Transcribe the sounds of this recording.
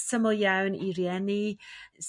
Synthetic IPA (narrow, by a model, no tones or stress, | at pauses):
səməlˠjawniɾjɛnis